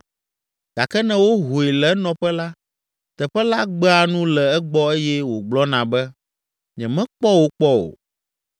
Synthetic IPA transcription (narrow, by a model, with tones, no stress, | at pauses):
ɡ̥a˨kɛ˦nɛ̃˨wo˦ɦo˨e˨lɛ˦nɔ̃˨ɸɛ˦la˦ | t̪ɛ˨ɸɛ˦la˦ɡ͡bɛ˦a˨nũ˦lɛ˨ɛ˦ɡ͡bɔ˦e˦jɛ˦wo˨ɡ͡blɔ˦nã˨bɛ˦ | ɲɛ̃˨mɛ̃˦k͡pɔ˦wo˨k͡pɔ˦o̰˨